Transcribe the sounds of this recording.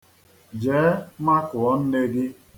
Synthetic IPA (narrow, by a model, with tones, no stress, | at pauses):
d͡ʒeː˨˦ma˦kʊ˨ɔ˦n̩˦ne˦ɡɪ˦